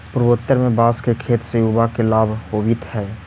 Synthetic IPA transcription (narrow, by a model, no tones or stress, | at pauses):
pʊɾboːt̪ːəɾmẽbaːskekʰeːt̪sejuːbakelaːbʱhoːbit̪hɛː